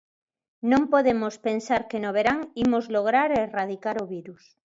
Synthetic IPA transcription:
nõmpoðemospe̞nsaɾkenoβ̞eɾaŋimozloɣ̞ɾaɾerað̞ikaɾoβiɾus

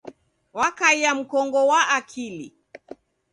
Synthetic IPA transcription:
wakaiam̩kɔŋɡɔwaʔakʰili

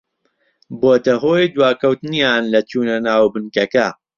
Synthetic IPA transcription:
boːt̪ɐɦoːjd̪waːkɐwt̪ɨnjaːnlɐt͡ʃuːnɐnaːwbɨnkɐkɐ

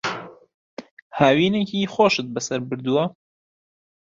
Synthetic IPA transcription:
haːwiːneciːxoːʃɨt̪̚bɐsɐɾbɨɾd̪uwɐ

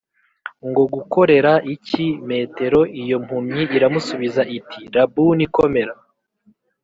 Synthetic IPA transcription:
ŋɡo̞ɡuko̞ɾe̞ɾaʔicime̞ːte̞ɾo̞ʔijo̞m̥humɲiʔːɾamusuβizaʔitʰiɾabuniko̞me̞ɾa

